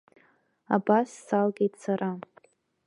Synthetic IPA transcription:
abasːalɡʲejtʰʼsara

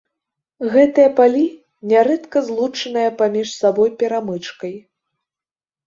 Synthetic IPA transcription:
ɣɛt̪ɨjɐpalʲi | nʲaɾɛt̪kɐzlˠut͡ʂɨnɨjɐpamʲiʂsabɔjpʲɛɾamɨt͡ʂkɐj

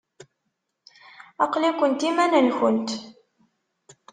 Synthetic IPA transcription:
ɑqlikʷːənt̪imænənçənt̪

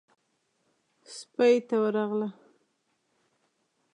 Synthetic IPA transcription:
spajt̪awəɾɑɣla

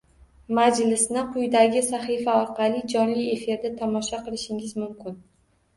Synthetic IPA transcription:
mad͡ʒlɪsnɪqʰʊjd̪aɡʲɪsaχifaɒɾqʰɑlˠid͡ʒɒnlie̞fɪɾd̪at̪ʰɒmɒʃaqɨlˠɪʃɪŋɪzmʊmkʲʰɪn

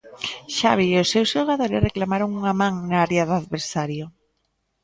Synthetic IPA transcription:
ʃaβiʊsːewsʃoɣaðoɾɪsreklamaɾoŋuŋamãŋnaaɾjaðaðβeɾsaɾjo

